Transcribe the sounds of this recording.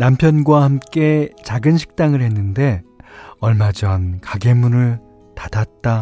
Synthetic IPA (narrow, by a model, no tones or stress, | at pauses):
nampʰjʌnɡwahamk͈e̞t͡ɕaɡɯnɕʰi̥k̚t͈aŋɯɭhe̞nːɯnde̞ʌɭmad͡ʑʌnkaɡe̞munɯɭ | tadat̚t͈a